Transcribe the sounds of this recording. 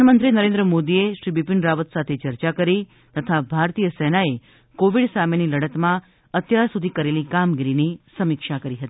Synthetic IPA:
nəmənt̪ɾinəɾẽnd̪ɾəmod̪ieʃɾibipiɳɾaʋət̪sat̪ʰet͡ʃəɾt͡ʃakəɾi | t̪ət̪ʰabʱaɾt̪ijəsɛnae | koʋiɽsameniləɽət̪mã | ət̪jaɾsud̪ʱikəɾelikamɡiɾinisəmikʃakəɾiɦət̪ii

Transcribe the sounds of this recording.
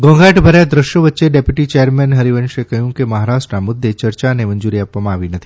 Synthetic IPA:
ɡɔ̃ŋɡaʈbʱəɾjad̪ɾəʃjoʋətːʃeɖepjuʈit͡ʃejəɾmɛnɦɐɾiʋənʃekəɦjũkemɐɦaɾaʃʈɾamʊd̪ʱːet͡ʃəɾt͡ʃaneməɲd͡ʒuɾiapʋamãːʋinət̪ʰi̥

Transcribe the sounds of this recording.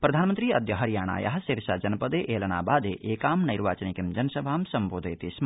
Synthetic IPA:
pɾɐd̪ʱaːnmənt̪ɾiːɐd̪jɐɦɐɾijaːɳ̃a̰ːjɐ̰ɦɐsiɾʃaːd͡ʒɐnpɐd̪eːʔeːlɐna̰ːbaːd̪eʔeːkaːmnɐjɾʋa̰ːt͡ʃɐnikimd͡ʒɐnɐsɐbʱaːmsɐmboːd̪ʱɐjt̪ism

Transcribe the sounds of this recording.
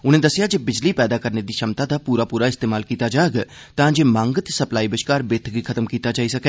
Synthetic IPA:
ʊnẽːd̪əsːɪjad͡ʒeːbɪd͡ʒliːpɛːd̪aːkəɾned̪iːʃɐmt̪aːd̪aːpuːɾaːpuːɾaɪst̪eːmaːlkiːt̪aːd͡ʒaːeɡ | t̪ãːd͡ʒeːmãːŋɡət̪sɐplaːiːbɪʃkaːɾbeːt̪ʰɡikʰət̪əmkiːt̪aːd͡ʒaːisɐkɛː

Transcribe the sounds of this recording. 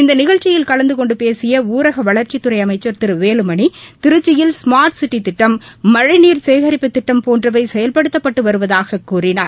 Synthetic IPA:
ɪnd̪ɐnɪɣɐɻt͡ʃɪjɪlkɐɭɐnd̪ɯkɔɳɖɯpeːsɪjɐuːɾɐɣɐʋɐɭɐɾt͡ʃɪt̪ːɯɾɐɪɐmɐɪt͡ʃːɐɾt̪ɪɾɯʋeːlɯmɐɳit̪ɪɾɯt͡ʃːɪjɪlsmaːɾʈsɪʈːit̪ːɪʈːɐmːɐɻɪniːɾseːɣɐɾɪpːɯt̪ːɪʈːɐmpoːndrɐʋɐɪsɛjɐlpɐɽɯt̪ːɐpːɐʈːɯʋɐɾɯʋɐðaːɣɐkːuːrɪnaːɾ

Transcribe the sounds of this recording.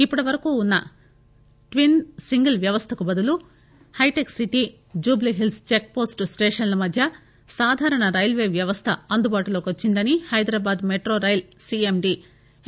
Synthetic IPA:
ipːuɽɐʋɐɾɐkuːunːɐ̰ | ʈʋinsiŋɡɐlʋjɐʋɐst̪ʰɐkubɐd̪ulu | hɐjʈeksiʈi | d͡ʒuːbliɦilst͡ʃek̚po̞ːsʈsʈeːʂɐnlɐmɐd̪ʱjɐ | saːd̪ʱaːɾɐɳɐɾɐjlʋeːʋjɐʋɐst̪ʰɐɐnd̪ubaːʈulo̞ːkʋot͡ʃːind̪ɐnihɐjd̪ɾaːbaːd̪meʈɾoːɾɐjlsiemɖi

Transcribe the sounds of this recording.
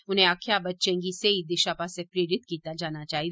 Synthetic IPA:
ʊnɦẽakʰjabətːt͡ʃẽŋɡiseid̪ɪʃapasepɾeːɾɪt̪kiːt̪ad͡ʒaːnat͡ʃaːɦi

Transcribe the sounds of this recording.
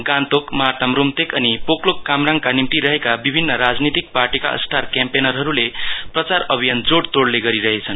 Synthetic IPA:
ɡãnt̪okmʌɦat̪amɾumt̪ekʌnipoklokːamraŋkanimʈ̪iɾʌɦekabibʱinːʌɾad͡znit̪ik̚parʈika̰ʌ̰sʈʰarkampenʌɾɦʌɾuleprʌt͡saɾʌbʱijʌnd͡zoɽt̪oɽleɡʌɾiɾʌɦet͡sʰʌn

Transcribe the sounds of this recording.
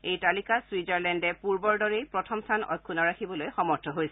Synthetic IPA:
ejtalikaswizaɹlɛndɛpuɹbɔɹdɔɹejpɹɔtʰɔmstʰanɔ̰jkʰːunɔɹakʰibɔlojxɔmɔɹtʰɔɦojsɛ

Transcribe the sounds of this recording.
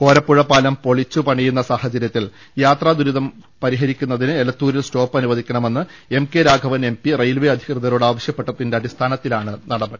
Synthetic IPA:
ko̞ːɾɐpːuɻɐpːaːlɐmpo̞ɭit͡ɕːupɐɳijunːɐsaːhɐt͡ɕɐɾjɐt̪ːil | jaːt̪raːd̪uɾuðɐm | pɐɾiɦɐɾikʲːunːɐðinɨelɐt̪ːuːɾilsto̞ːpːɐnuʋɐðʱikʲːɐɳɐme̞nːɨ | e̞mkeɾaːɡʱɐʋɐne̞mpirejlʋeɐd̪ʱikrɨðɐɾoːɽaːʋɐɕjɐpːeʈːɐt̪ːinde̞ɐd̪ist̪ʰaːnɐt̪ːilaːɳɨnɐɽɐbɐ

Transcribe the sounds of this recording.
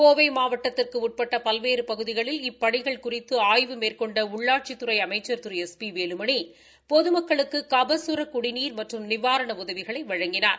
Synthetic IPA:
koːʋɐɪmaːʋɐʈːɐt̪ːɪrkɯʊʈ̚pɐʈːɐpɐlʋeːɾɯpɐɣɯðɪɣɐɭɪlɪpːɐɳɪɣɐɭkʊrɪt̪ːɯaːjʋɯmeːrkɔɳɖɐʊɭːaːʈ̚t͡ʃɪt̪ːɯɾɐɪɐmɐɪt͡ʃːɐɾt̪ɯɾɛspiʋeːlɯmɐɳi | pɔðɯmɐkːɐɭɯkːɯkɐbɐsɯɾɐkʊɽɪniːɾmɐʈrɯmnɪʋaːɾɐɳɐʊðɐʋɪɣɐɭɐɪʋɐɻɐŋɡɪnaːɾ

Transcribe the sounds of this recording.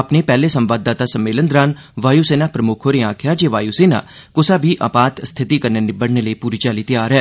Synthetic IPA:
ɐpnepɛːlesə̃mʋaːd̪aːt̪asɐmːeːlənd̪ɾaːn | ʋaːjuseːnaːpɾəmʊkʰoɾeãːkʰɪjad͡ʒeːʋaːjuseːna̰ː | kʊsaːbʱiːʔa̰paːt̪st̪ʰɪt̪ikɐɾnenɪbəɽneləipuːɾit͡ʃaːlit̪əjaːɾɦɛː

